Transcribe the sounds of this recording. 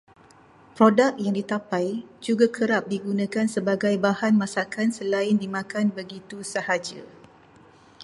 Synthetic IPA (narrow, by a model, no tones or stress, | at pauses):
pɾodak̚jaŋdit̪apajd͡ʒuɡakʰəɾap̚diɡunãkansəbaɡajbahanmãsakansəlaɪndimãkanbəɡit̪usəhad͡ʒə̰